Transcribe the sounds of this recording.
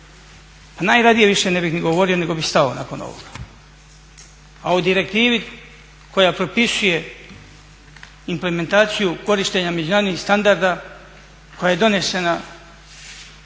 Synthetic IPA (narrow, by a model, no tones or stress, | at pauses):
panaːjɾad̪ije̞ʋiʃenebixniɡo̞ʋo̞ɾio̞ne̞ɡo̞bixst̪ao̰na̰ko̞no̰ʋo̰ɡ̥a | aud̪iɾe̞k̚t̪iːʋi | kʰo̞japɾo̞pisuje̞ | imple̞me̞nt̪aːt̪sijuko̞ɾiʃt̪e̞ɲame̞d͡ʑunaːɾod̪nixst̪and̪aɾd̪a | ko̞jaje̞d̪o̞ne̞sena